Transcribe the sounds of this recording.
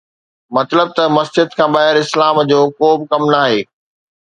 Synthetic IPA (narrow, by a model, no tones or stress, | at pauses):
mɐt̪ləb̚t̪ɐmɐsd͡ʑɪd̪kʰãːbaːɦɪɾɪslaːmd͡ʑoːkoːbkɐmnaːɦeː